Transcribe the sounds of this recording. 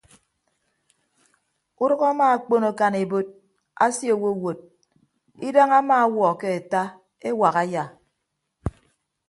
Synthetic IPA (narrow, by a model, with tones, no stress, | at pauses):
u˦ɾɔ˦ɣa˦maː˦a˨k͡po˦no˨ka˨ne˨bo˦t̚ | a˦sjo˨wo˦˨wo˨t̚ | i˦da˦ŋa˦maː˦a˦wɔ˨ke˦e˨ta˦ | e˦wa˨ɣa˦ja˨